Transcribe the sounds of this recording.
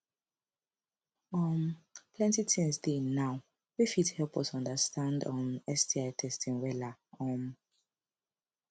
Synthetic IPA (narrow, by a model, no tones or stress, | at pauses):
ɔmpʰlɛ̃ntitʰĩmsdenaw | wifithɛlpɔsɔ̃ndəstʰãndɔ̃nɛsdiaɪtʰɛstĩŋwɛlaɔ̃m